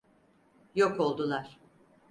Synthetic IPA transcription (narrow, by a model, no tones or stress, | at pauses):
joko̞lˠd̪ulˠaɾ̥